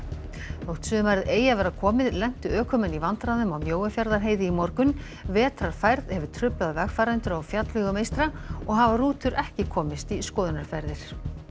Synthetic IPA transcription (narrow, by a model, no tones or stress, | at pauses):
θowht̪sʏːmaɾɪðeːjavɛːɾakʰɔːmɪðlɛn̥t̪ʏœːkʰʏmɪnivant̪ɾaðʏmawmjoːwafjaɾðaɾɦeːjðɪimɔɾkʏn | vɛːt̪ɾaɾ̥fajɾðhɛvʏɾ̥t̪ʰɾʏplaðvɛɣ̥faːɾɛnt̪ʏɾawfjat̪lʏɣʏmejst̪ɾaɔɣɦavaruːt̪ʏɾʔɛhcɪkʰɔːmɪst̪iskɔːðʏnaɾ̥fɛɾðɪɾ̥